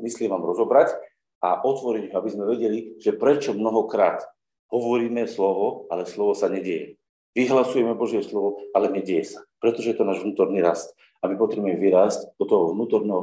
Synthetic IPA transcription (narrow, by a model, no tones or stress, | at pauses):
mislimaːmɾɔzɔbɾac | aʔɔt̪ʋɔɾiɲɦɔabizmɛʋɛɟɛliʒ̥ɛpɾɛt͡ʃɔmnɔɦɔkɾa̰ːt̪ | ɦɔʋɔɾiːmɛslɔʋɔalɛslɔʋɔsaɲɛɟɛjɛ | ʋiɦlasujɛmɛbɔʒɪjɛslɔʋɔalɛɲɛɟɛjɛsḁpɾɛt̪ɔʒɛjɛt̪ɔnaːʒʋnuːt̪ɔɾniːɾast̪ | amipɔt̪ɾɛbuɛmɛʋiɾaːscd̪ɔt̪ɔɦɔʋnuːt̪ɔɾnɛːɦɔ